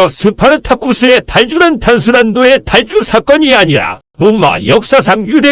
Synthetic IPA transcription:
ʌsʰɯpʰaɾɯtʰak͈usʰɯetaɭt͡ɕuɾantʰansʰɯɾandoe̞taɭt͡ɕ͈usʰak͈ʌɲiaɲiɾa̰ | moŋma̰jʌk̚s͈as̬ʰaŋjude

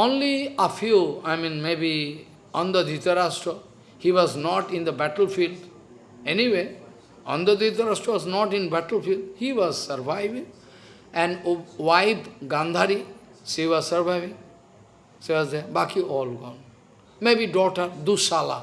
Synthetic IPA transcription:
õnliəfjuaɪmĩnmebi | ɔ̃nd̪əd̪it̪əɾasʈo | hiʋɔznɔʈɪ̃nd̪əbæʈəlfiːlɖ | eniʋeː | ɔ̰̃nd̪əd̪it̪əɾasʈɾoʋɔznɔʈɪ̃nbæʈəl̩filɖhiʋɔzsəɾʋaɪʋĩŋ | ɛ̃nɖʋaɪpɡãnd̪ʱaɾisiʋɔzsəɾʋaɪʋĩŋ | siʋɔzd̪eɾbakiʔɔːlɡɔ̃ːn | mebiɖɔːʈəɾd̪usala̰

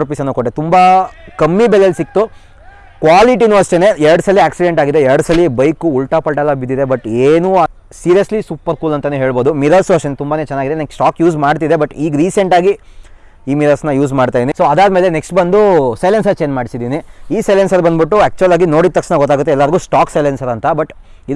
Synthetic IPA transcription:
ɾpisɐnːukoʈːet̪umbɐkɐmːibɛlːelsik̚t̪u | kʋaːliʈ̬inuɐʂʈene̞ɛɾɐɽusɐlːiaːksiɖeɳʈaːɡid̪eɛɾɐɽɐsɐlːibɐjkuːlʈapɐɭʈɐlabid̪id̪e̞bɐʈeːnu | siːɾijɐslisuːpɐɾkuːlɐnt̪ɐneɦe̞ːɭbo̞ːd̪umiɾɐlsuɐʂʈenet̪umbaːneːt͡ʃɛnːaːɡid̪eneksʈaːkjuːsmaːɖt̪̬id̪e̞bɐʈiːɡɾiːse̞ɳʈaːɡi | iːmiɾɐlsnɐjuːsmaːɖt̪ajd̪inisoːɐd̪aːd̪me̞ːleneksʈbɐnd̪usɐjlensɐɾt͡ʃeːnd͡ʒmaːɽisid̪iːniiːsɐjlensɐɾbɐnd̪biʈːuɛːk̚t͡ʃuɐlaːɡino̞ːɽid̪t̪ɐkʂnɐɡɔt̪ːaːɡut̪ːeɛlːaɾiɡuːsʈaːksɐjlensɐɾɐnt̪ɐbɐʈ | id̪

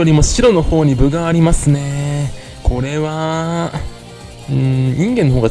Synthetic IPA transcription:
o̞ɾʲimo̞ɕiɾo̞no̞ho̞ːɲ̟ibɯ̟ɡaːɾʲimasɨne̞ | kʰo̞ɾe̞βa | ɯ̟̃ɲĩŋɡẽ̞nːoɦoːɡa

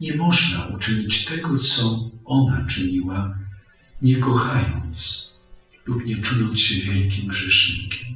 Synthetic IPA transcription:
ɲɛmɔʐnaʔut͡ʂɘɲit͡ɕt̪ɛɡɔt̪sɔʔɔnat͡ʂɘɲiwa | ɲɛkɔxajɔ̰nt̪s | lupɲɛt͡ʂujɔnt̪ɕɛvʲjɛlkʲimɡʐɛʂɲḭkʲɛm

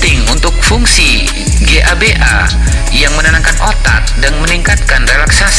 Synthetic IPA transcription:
t̪ɪŋunt̪ʊk̚fuŋsi | ɡeʔabeʔa̰ | jaŋmənanaŋkanʔot̪ak̚danməniŋkat̪̚kanrelaksas

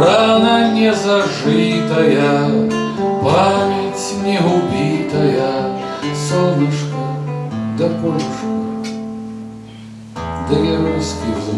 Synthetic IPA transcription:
ranɐnʲɛzɐʐɨt̪ɐjɐ | pʰamʲet͡sʲʰnʲeɦubʲit̪ʰɐjɐ | sɐɾɨʂkɐd̪ɐpolʲʂkɐ | d̪ɐjɐɾuskʲi

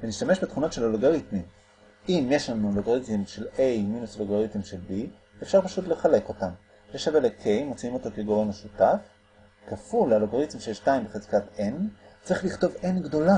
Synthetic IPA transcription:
veniʃtameʃbet̪χuno̞tʃe̞laloɡoʁitmim | imjeʃlanuloɡoʁitimʃe̞lejminusloɡoʁitimʃelbi | efʃaʁpaʃutle̞χale̞ko̞tam | leʃavelekʰejmo̞t͡siimo̞to̞keɡo̞ʁemaʃutaf | kafulaloɡoʁitimʃejeʃtaimbeχezkatent͡sʁiχliχto̞venɡdo̞la

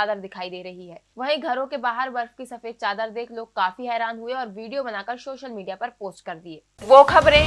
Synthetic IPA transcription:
aːd̪əɾd̪ɪkʰaːid̪eːɾɐɦiɦɛːʋɐɦĩɡʱɐɾõkebaːɦəɾbɐɾfkisɐfeːd̪̚t͡ʃaːd̪əɾd̪eːkʰloːɡ̚kaːfiɦɛːɾaːnɦʊeɔːɾʋiːɖijobɐnaːkəɾsoːʃəlmiːɖijapɐɾpoːsʈ̚kɐɾd̪ieː | ʋoːkʰɐbɾẽ

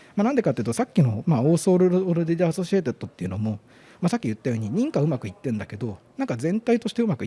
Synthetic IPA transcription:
manãnd̪ekat̪ːeiɯ̟t̪o̞sakʲːino̞maoːsoːɾɯɾoɾɯd̪ed̪easo̞ɕiet̪e̞t̪ːo̞t̪ːe̞iɯ̟no̞mo̞ | masakʲːijɯ̟t̪ːajo̞ːɲ̟iɲ̟ĩŋkaɯ̟makɯ̟it̪ːẽ̞nd̪ake̞d̪o̞nãŋkazẽ̞nt̪ait̪o̞ɕi̥t̪eɯ̟makɯ̟i

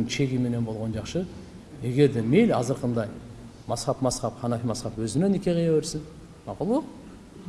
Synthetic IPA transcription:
ŋʃʰe̞ɡʲijme̞ne̞nbo̞lˠʁond͡ʒɑχʃə | je̞ɡʲe̞ɾd̪e̞me̞jlʲɑzəɾqənd̪ɑj | mɑsχɑpmɑsχɑpχʰɑnɑfimɑsχɑpwɵzɪnenekʲe̞qijɑweɾsɪn | mɑqulˠwoq

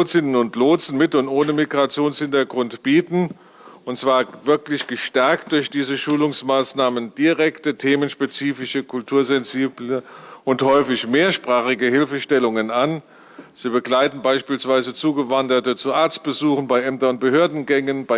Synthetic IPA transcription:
t͡sɪnənʊntloːt͡sn̩mɪtʊntʔoːnəmiɡʁat͡sjoːnshɪntɐɡʁʊntb̥iːtn̩ | ʊntt͡sv̥aːɐvɪɐklɪçɡ̥əʃtɛɐkt̚d̥ʊɐçd̥iːzəʃuːlʊŋsmaːsnaːmənd̥iʁɛktətʰeːmənʃpet͡siːfɪʃəkʰʊltʰuːɐzɛnziːbləʔʊnthɔʏfɪçmeːɐʃpʁ̥aːχɪɡəhɪlfəʃtɛlʊŋənan | z̥iːbəɡlaɪtn̩baɪʃpiːlsv̥aɪzət͡suːɡəvandɐtət͡suʔaɐt͡st̚b̥əzuːχn̩baɪʔɛmtɐnʊnt̚b̥əhøːɐdn̩ɡɛŋənbaɪ

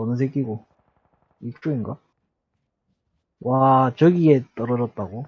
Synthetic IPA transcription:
ʌnɯsʰek͈iɡo | ik̚t͡ɕ͈oinɡa | wat͡ɕʌɡiet͈ʌɾʌd͡ʑʌt̚t͈aɡo

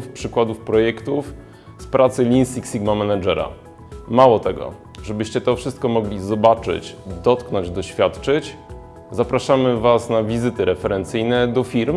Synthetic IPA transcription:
fpʂɘkwad̪ufpɾɔjɛkt̪uf | spɾʔat̪sɘlʲinsʲiksʲiɡmamɛnad͡ʐɛɾa̰ | mawɔt̪ɛɡɔ̰ | ʐɛbɘɕt͡ɕɛt̪ɔfʂɘst̪̚kɔmɔɡlʲizɔbat͡ʂɘ̰t͡ɕd̪ɔt̪knɔɲd͡ʑd̪ɔɕfʲjat̪t͡ʂɘt͡ɕ | zapɾaʂamɘvasnavʲizɘt̪ɘɾɛfɛɾɛnt̪sɘjnɛd̪ɔfʲiɾm

